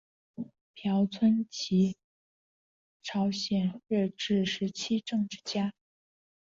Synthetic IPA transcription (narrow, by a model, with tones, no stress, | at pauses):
pʰjɑ˧˥ʊt͡sʰwə˥nt͡ɕʰi˧˥ | ʈ͡ʂʰɑ˧˥ʊɕjɛ˨˩nɻɛ˥˧ʈ͡ʂɻ̩˥˩ʂɻ̩˧˥t͡ɕʰi˥ʈ͡ʂɤ˥˧ŋʈ͡ʂɻ̩˥˩t͡ɕja˥